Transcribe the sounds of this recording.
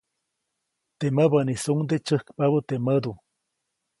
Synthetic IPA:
t̪eməbənisuŋd̪et͡ʃəhkpaβət̪eməd̪u

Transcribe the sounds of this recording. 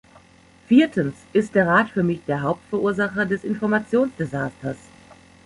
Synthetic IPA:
fiːɐtʰənsʔɪst̚d̥eːɐʁaːtfyːɐmɪçd̥eːɐɦaʊp̚tfɛɐʔuːɐzaχɐdɛsɪnfɔɐmat͡sjoːnsd̥ezaːstɐs

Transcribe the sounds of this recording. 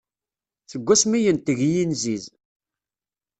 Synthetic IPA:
θəɡʷːæsmijənt̪əʝjinziz

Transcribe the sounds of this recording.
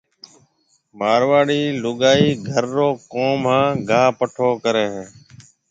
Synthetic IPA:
maːɾʋaːɽiːlʊɠaːiːɡʱəɾːoːkoːmɦãːɡʱaːpəʈʰoːkəɾeːɦː

